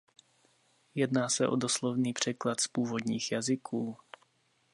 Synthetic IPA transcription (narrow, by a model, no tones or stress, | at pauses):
jɛdnaːsɛʔo̞̰doslovniːpr̝̥ɛklat̪spuːvo̞dɲiːxjazɪkʰuː